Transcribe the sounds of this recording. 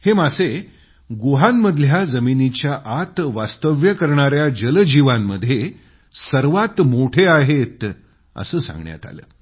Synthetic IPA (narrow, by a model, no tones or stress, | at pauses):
hemase | ɡoɦamːəd̪ʱljad͡zəminit͡ɕjaʔat̪ʋast̪əʋjəkəɾɳ̃aɾjad͡ʑələd͡ʑiʋamːəd̪ʱje | səɾʋat̪moʈʰeaɦet̪ | ə̰səːsã̰ŋɡɳja̰t̪a̰lə̰ː